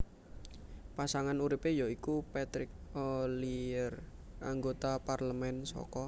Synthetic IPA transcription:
pasaŋanuɾipejoikupɛt̪ɾɪk̚oliərʔaŋɡot̪aparləmɛnsɔ̰kɔ

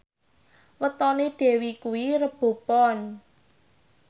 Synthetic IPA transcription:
wət̪ɔneɖ̥e̤wikuwiɾəb̥o̤pɔn

